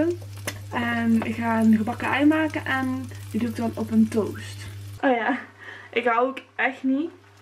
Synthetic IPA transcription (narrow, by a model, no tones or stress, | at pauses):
ə | ɛnɪkxaːənɣəbɑkəʔɛjmaːkənʔɛndjəduk̚dɑnɔpəntoːwstʔoːjaːʔɪkhaokɛxtni